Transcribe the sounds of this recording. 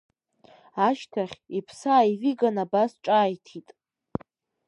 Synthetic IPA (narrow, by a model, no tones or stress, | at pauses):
aʃtʰaχʲipʰsaːiviɡanabasʈ͡ʂʼaːjtʰitʼ